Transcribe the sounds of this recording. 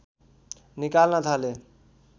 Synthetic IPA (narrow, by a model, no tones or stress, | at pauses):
nikalnad̪ʱale